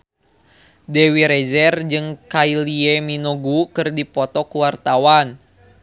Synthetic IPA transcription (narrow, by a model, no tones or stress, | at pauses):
dɛwiɾɛd͡ʒɛrd͡ʒɨŋkailiɛminoɡukɨrdipɔt̪ɔkuwart̪awan